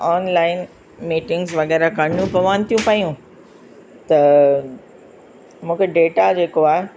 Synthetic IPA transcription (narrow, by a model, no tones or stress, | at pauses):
ɔːnlaːɪn | miːʈɪ̃ŋɡzʋɐɣɛːɾakɐɳũpɐʋaːnt̪ʰijũpaːijũ | t̪ɐ | mũːkʰeɖeːʈad͡ʑeːkoaːe